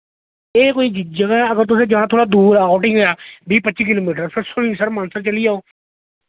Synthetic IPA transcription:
eːkoːiːd͡ʒɪd͡ʒəkɛəɡəɾt̪̬ʊsẽːd͡ʒɪɦãːt̪ʰoːɽaːd̪uːɾɛːɔːʈɪ̃ŋɡaːbiːpətːʃiːk̬ɪloːmiːʈ̬əɾpʰɪɾsʊɾiːnsəɾmãːnsəɾt͡ʃəliːd͡ʒaːoː

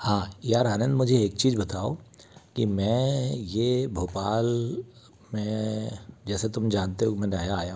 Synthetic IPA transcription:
hãːjaːɾɦənə̃nd̪mʊd͡ʒʱeeːk̚t͡ʃiːzbɐt̪aːokimɛ̃ːjebʱoːpaːl | mẽ | d͡ʒɛːset̪ʊmd͡ʒaːnt̪eɦokimɛ̃nɐɦjaːja

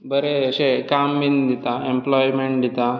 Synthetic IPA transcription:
bəɾeəɕekamːind̪it̪aemplɔjmeɳʈd̪it̪a

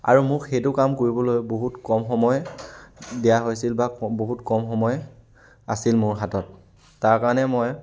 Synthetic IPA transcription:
a̰ɹumʊkxejtʊkamkoɹibɔlojboɦutkɔmxɔmɔj | dijaɦojsilbaboɦutkɔmxɔmɔj | a̰silmʊɹxatɔtː | aɹkaɹnɛmoj

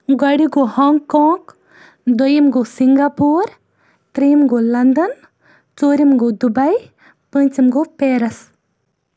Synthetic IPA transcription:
ɡɐɽiɡohɔŋkõːk | d̪ojimɡosiŋɡaːpuːɾ | t̪ɾijmɡolɐnd̪ɐn | t͡soːɾimɡod̪ubɐj | pə̃nʲt͡ʃimɡopeːɾɐs

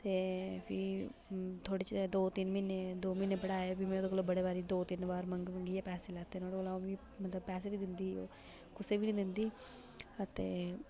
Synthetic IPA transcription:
t̪eːpʰɪ̰ | t̪ʰoːɽiːt͡ʃd̪oːt̪ɪnmɪned̪oːmɪneːbəɽaːebimɛ̃ːt̪oːɡəloːbəɽeːbaːɾiːd̪oːt̪ɪnbaːɾməŋɡməŋɡiɛːpɛːseːlɛːt̪ːeːnõːolãːʋiː | mət̪ləb̚pɛːs̬eːnĩːd̪ɪnd̪iːo̰ː | kʊseːbiːnĩːd̪ɪnd̪iː | ət̪ḛː

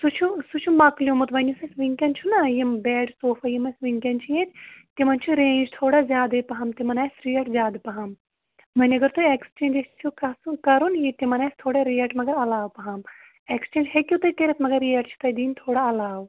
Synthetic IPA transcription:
sut͡ʃʰusut͡ʃʰumɐklijumut̪ʋɐnʲisɐsʋiŋkʲɐnt͡ʃʰunɐjimbɛːɖsoːfɐjimɐsʲʋiŋkʲɐnt͡ʃʰujet̪ʰt̪imɐnt͡ʃʰuɾẽːnd͡ʒt̪ʰoːɽazjaːd̪ɐpɐɦɐmt̪imɐnɐːsɾijɐʈzʲjaːd̪pɐɦɐm | mɐnʲiɐɡɐɾt̪uekst͡ʃẽːnd͡ʒest͡ʃʰukɐsukɐɾunjit̪imɐnɐːst̪ʰoːɽaɾiɐʈmɐɡɐɾɐlaːwpɐɦam | ekst͡ʃẽːnd͡ʒɦekʲjut̪ɐt̪eɾɐt̪ʰmɐɡɐɾːiɐʈt͡ʃʰu̥t̪ɐjd̪iːnt̪ʰoːɽaɐlaːʋ

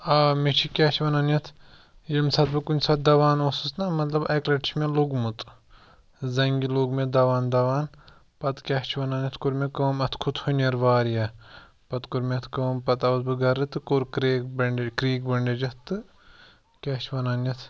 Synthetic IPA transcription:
aːmit͡ʃʰikʲaːt͡ʃʰiʋɐnaːnjɐt̪ʰ | jimsɐt̪̚bɨkunʲsʰɐt̪̚d̪ɐʋaːnoːsɨsnɐmɐt̪lɐbɐklɐʈit͡ʃʰmeloɡmut̪ | zɐŋɡiloːɡmed̪ɐʋaːnd̪ɐʋaːn | pɐt̪kʲaːt͡ʃʰiʋɐnaːnʲjɐt̪ʰkuɾmʲekəːmɐt̪ʰkʰut̪ʰhunɐɾʋaːɾja | pɐt̪kuɾmiɐt̪ʰkɐːmpɐt̪ɐʋɐt̪̚bɨɡɐɾɨt̪ɨkuɾkɾeːkbɐɳɖʲekɾiːkbɐɳɖʲed͡ʒɐt̪ːɨ | kʲaːt͡ʃʰiʋɐnaːnjɐt̪ʰ

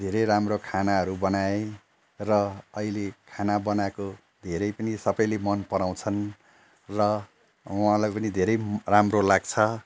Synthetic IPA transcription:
d̪ʱeɾʌjramrokʰanaɦʌɾubʌnae | rʌʌilekʰanabʌnako | d̪ʱeɾʌjpʌnisʌbʌjlemʌnpʌɾaw̃t͡sʰʌn | rʌ | uɦãlajpʌnid̪ʱeɾʌjramrolaɡt͡sʰʌ

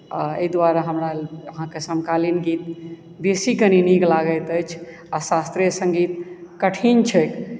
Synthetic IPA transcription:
a̰ḛjd̪ʋaɾaɦəmɾaəɦãkesəmkalinɡit̪ | besikəniniɡlaɡəjt̪əjt͡ʃʰ | asast̪ɾiesə̃ŋɡit̪kəʈʰint͡ʃʰɛk

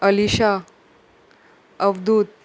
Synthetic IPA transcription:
əliɕa | əʋd̪ʱuːt̪̚

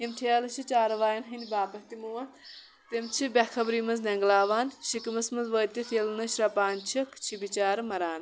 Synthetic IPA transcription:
ɦimʈʰeːlɐt͡ʃʰit͡ʃaːɾɐʋaːjɐnɦɐnd̪ʲbaːpɐkt̪imuːʋɐn | t̪imt͡ʃʰibʲɐkʰɐbɾiːmɐznɐŋɡlaːʋaːnʃikimɐsmɐzʋoːt̪it̪ʰiːlnɐʃɾɐpaːnt͡ʃʰikt͡ʃʰibit͡ʃaːɾmɐɾaːn

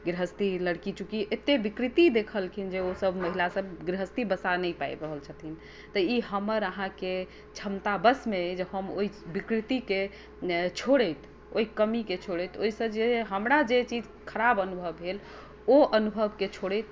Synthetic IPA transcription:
ɡɾəɦəst̪iləɽkit͡ʃukiʔet̪ebikɾit̪id̪ekʰəlkʰind͡ʒeosəbʱməɦilasəbɡɾeɦəst̪ibəsanəjpajɾəɦəlt͡ʃʰət̪ʰin | t̪əiɦəməɾəɦãke | t͡ʃʰəmt̪abəsmed͡ʒeɦəmoibikɾit̪ike | t͡ʃʰoɽəjt̪ | o̰ikəmiket͡ʃʰoɽət̪oisə̃d͡ʒeɦəmɾad͡ʒet͡ʃid͡ʒ | kʰəɾabənubʱəbɦel | oʔənubʱəbket͡ʃʰoɽət̪

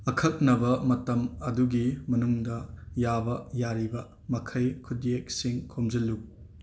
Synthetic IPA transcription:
ɐkʰɐk̚nɐbɐmɐtɐmɐduɡimɐnuŋdɐjabɐjaɾibɐ | mɐkʰɐjkʰudiek̚siŋkʰomzɐlːu

